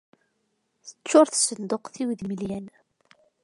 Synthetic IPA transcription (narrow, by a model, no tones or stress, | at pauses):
θət͡sːʊɾθsənd̪oqθiwðməljæn